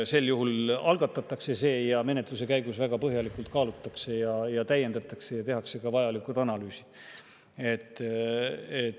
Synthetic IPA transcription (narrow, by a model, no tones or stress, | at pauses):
se̞lːjuɦulɑlɡ̥ɑt̪ːˑɑt̪ːˑɑkse̞se̞ːjɑme̞ne̞t̪luse̞kæjɡusvæɡ̥ɑpɤɦjɑlikult̪kɑːlut̪ːˑɑkse̞jɑjɑt̪æje̞nd̪ɑt̪ːˑɑkse̞jɑt̪e̞ɦɑkse̞kɑvɑjɑlikut̪ɑnɑlyːsi̥ | e̞t̪ː | et̪